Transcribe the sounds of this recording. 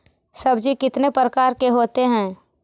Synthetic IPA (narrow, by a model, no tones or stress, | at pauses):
sɐbd͡ʒikɪt̪nepɾəkaːɾkeɦoːt̪eɦɛ̃ː